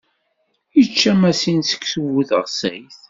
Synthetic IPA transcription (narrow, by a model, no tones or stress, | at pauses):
jət͡ʃːæmæsinsə̥kːsəwuθəʁsæ̰jθ